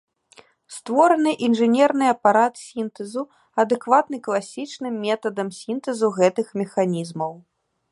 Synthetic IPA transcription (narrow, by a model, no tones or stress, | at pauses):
st̪vɔɾɐnɨʔinʐɨnʲɛrnɨɐpaɾat̪sʲint̪ɛzu | ɐd̪ɛkvat̪nɨklˠasʲit͡ʂnɨmːʲɛt̪ɐd̪ɐmsʲint̪ɛzuɣɛt̪ɨxmʲɛxanʲizmɐw